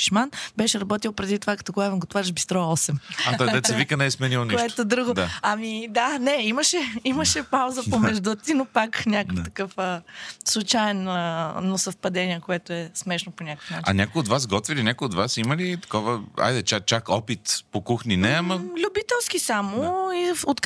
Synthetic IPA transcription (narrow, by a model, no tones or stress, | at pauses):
ʃmanbɛʃɛɾɐbɔt̪ilˠpɾɛd̪it̪ovakɐt̪ɔɡlˠavɛmɡot̪vaɾiʒbist̪ɾɔɛɔsɛmat̪ɔjd̪ɛt̪ɛvikənɛsmɛnilˠonioʃɛt̪od̪ɾuɡod̪aɐmid̪anɛiməʃɛiməʃɛpawzəpomɛʒd̪ut̪inopaknʲakokt̪ɐkɤfəslˠut͡ʃaɛnənosɐfpɐd̪ɛniɛkoɛt̪oɛsmɛʃnoponʲakkə̥fnaat͡ʃia̰nʲakoiod̪vasɡɔt̪vilinʲakojiod̪vasiməlit̪ɐ̥kɔvəa̰jd̪ɛt͡ʃak̚t͡ʃakɔpit̪pokuxninɛɐmɐlʲʊbit̪ɛlˠskisamoiot̪